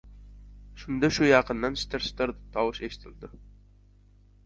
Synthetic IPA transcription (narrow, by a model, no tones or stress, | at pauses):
ʃund̪ɨʃujɑqənd̪ɑnʃt̪ɪɾʃt̪ɨɾt̪ʰɑwʊʃeʃɪ̥t̪ʰɪld̪ɪ